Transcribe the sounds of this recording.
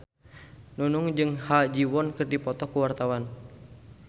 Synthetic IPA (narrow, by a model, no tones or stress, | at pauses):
nunuŋd͡ʒɨŋhad͡ʒiwɔnkɨrdipɔt̪ɔkuwart̪awan